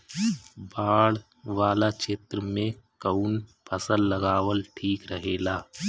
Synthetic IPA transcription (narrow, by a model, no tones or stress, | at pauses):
baːɽ | ʋaːlat͡ʃeːt̪ɾəmẽkəʊnpʰəsəlləɡaːʋəlʈʰiːkɾəɦeːlaː